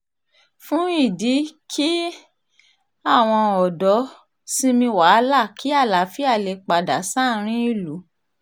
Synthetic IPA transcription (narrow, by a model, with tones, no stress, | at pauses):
fũ˦i˦˨di˨˦kʰi˦ | a˦˨w̃ɔ̃˧ɔ˨dɔ˨˦ | si˧˦mĩ˧wa˨˦la˦˨kʰi˨˦a˦˨la˨˦fi˦a˦˨le˧˨k͡pa˨da˨sã˦˨˦ɾ̃ĩ˦i˦˨lu˨˦